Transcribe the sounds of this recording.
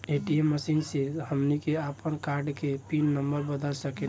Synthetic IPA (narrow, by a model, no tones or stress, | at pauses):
eʈiemːəsinsihəmnikeapənkaɾɖkepinːəmbəɾbəd̪əlsəke